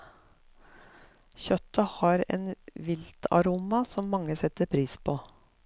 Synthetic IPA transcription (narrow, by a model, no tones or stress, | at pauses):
çœt̪ɑhɑɾḛːnʋɪlt̪ʰɑ̰ɾuːmɑsɔmːɑŋːəsɛt̪ːəɾpʰɾiːspʰoː